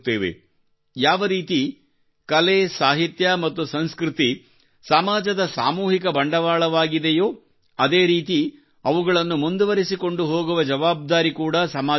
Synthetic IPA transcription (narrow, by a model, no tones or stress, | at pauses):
t̪ːeːʋḛ | jaːʋɐɾiːt̪i | kɐlesaːɦit̪jɐmɐt̪ːusɐnskɾit̪i | sɐmaːd͡ʒɐd̪ɐsa̰ːmuːɦikɐbɐɳɖɐʋaːɭɐʋaːɡid̪ejoː | ɐd̪e̞ːɾiːt̪i | ɐʋuɡɐɭɐnːumund̪uʋɐɾisiko̞ɳɖuɦo̞ːɡuʋɐd͡ʒɐʋaːb̚d̪aːɾikuːɽɐsɐmaː